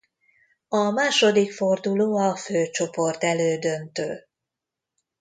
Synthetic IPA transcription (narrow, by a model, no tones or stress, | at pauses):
ɒmaːʃo̞d̪ikford̪uloːɒføːt͡ʃo̞po̞rt̪ɛløːd̪ønt̪ø̰ːl